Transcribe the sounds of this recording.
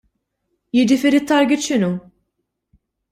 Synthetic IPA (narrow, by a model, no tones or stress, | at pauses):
jɪd͡ʒɪfiːɾit̪ːɐɾɡɪt̪ʃɪnu